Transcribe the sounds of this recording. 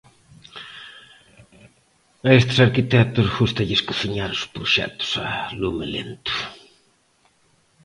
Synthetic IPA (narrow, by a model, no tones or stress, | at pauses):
ɐest̪ɪ̥saɾkit̪ɛt̪ʊsɣust̪ɐʎɪskusiɲaɾʊspɾuʃɛ̰t̪ʊ̥sɐlumelḛnt̪u̥